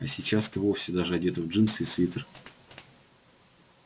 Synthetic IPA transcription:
ɐsʲɪt͡ɕasɛ̥t̪əvo̞fsʲɪd̪aʐɨɐdʲet̪əvʐɨnsisvʲit̪ər

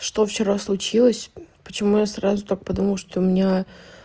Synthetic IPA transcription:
ʂt̪o̞ft͡ɕɪɾaslˠʊt͡ɕilˠəsʲpət͡ɕɪmujasɾazʊt̪ak̚pɐd̪uməlˠʂt̪oʊmʲɪnʲa

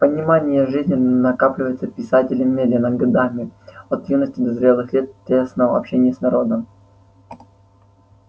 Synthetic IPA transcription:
pənʲɪmanʲɪjəʐɨzʲnʲɪnnɐkaplʲɪvəjt̪səpʲɪsatʲɪlʲɪmʲːed̪ʲɪnəɡɐd̪amʲɪot̪junəsʲtʲɪd̪əzɾʲe̞lˠɨxlʲet̪̚tʲːesnəvɐ̰pɕenʲɪjəsnɐɾo̞d̪əm

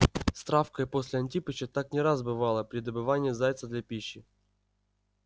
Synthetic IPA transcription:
st̪ɾafkəjposʲlʲɪɐnʲtʲipɨɕət̪aknʲɪɾazbɨvalˠəpɾʲɪd̪əbɨvanʲɪːzajt̪səd̪lʲɐpʲiɕːɪ

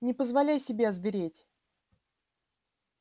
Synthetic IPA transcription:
nʲɪpəzvɐlʲæjsʲɪbʲeɐzvʲɪɾʲetʲ

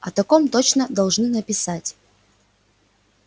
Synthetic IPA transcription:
ɐt̪ɐkomt̪ot͡ɕnəd̪ɐlˠʐnɨnəpʲɪsatʲ

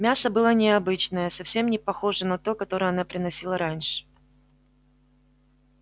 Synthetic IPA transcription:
mʲasəbɨlˠənʲɪɐbɨt͡ɕnəjəsɐfsʲe̞mnʲɪpɐxo̞ʐɨnɐt̪o̞kɐt̪o̞ɾəjəɐnapɾʲɪnɐsʲilˠəɾanʲʂɨ̥

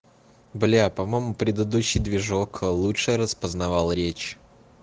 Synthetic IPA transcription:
blʲapɐmojmʊpɾʲɪd̪əd̪uɕːɪjd̪vʲɪʐoklˠutʂɨɾəspəznɐvalˠɾʲet͡ɕ

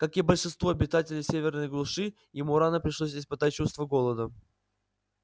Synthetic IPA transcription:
kakʲibəlʲʂɨnst̪voɐbʲɪt̪atʲɪlʲɪjsʲevʲɪrnəjɡlˠʊʂɨ | jɪmuɾanəpɾʲɪʂlˠos̬ʲɪspɨt̪at̚ʲt͡ɕust̪vəɡo̞lˠəd̪ə

